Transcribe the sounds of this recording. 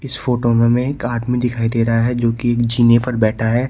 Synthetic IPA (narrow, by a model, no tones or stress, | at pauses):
ɪsfoːʈomẽmẽeːkaːd̪mid̪ɪkʰaːid̪eːɾɐɦaɦɛd͡ʒoːkieːkd͡ʒiːnepɐɾbɛːʈʰaɦɛː